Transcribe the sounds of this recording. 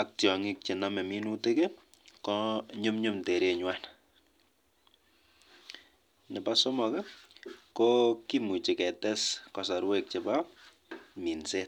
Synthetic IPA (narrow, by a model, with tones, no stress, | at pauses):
a˨k̚tjɔ˨ŋɪ˦k̚t͡ʃi˨na˦mɛ˨mi˦nu˦te˦ke˦ | kɔɲo˦mɲo˦mte˨ɾe˦ɲwa˦n | nɛ˨pa˦so˦mɔ˨kɛ˦kɔ˦ki˦mu˨t͡ʃi˨kɛ˨tɛ˦skɔ˨sa˨ɾwe˦k̚t͡ʃɪ˨ba˦ | mi˨nse˦